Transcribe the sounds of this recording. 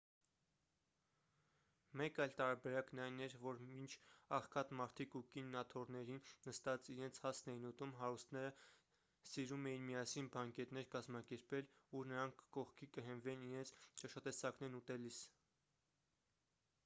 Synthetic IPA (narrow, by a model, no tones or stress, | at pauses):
mɛkɑjlt̪ɑɾɑbɛɾɑknɑjnɛɾvɔɾmint͡ʃʰɑχkʰɑt̪mɑɾt̪ʰikukinːɑt̪ʰɔɾnɛɾinːəst̪ɑt͡siɾɛnt͡sʰhɑsʰnɛjnut̪umɦɑɾust̪ʰnɛɾə | siɾumɛjinmijɑsinbɑŋkɛt̪nɛɾkɑzmɑkɛɾpɛlunəɾɑŋkʰːɔχkʰikəɦɛnvɛniɾɛnt͡sʰt͡ʃɑʃɑt̪ɛsɑknɛɾnut̪ɛlis